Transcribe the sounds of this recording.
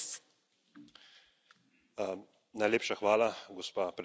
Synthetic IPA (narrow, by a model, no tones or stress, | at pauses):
najleːpʃaxʋaːlaɡɔspaːpɾ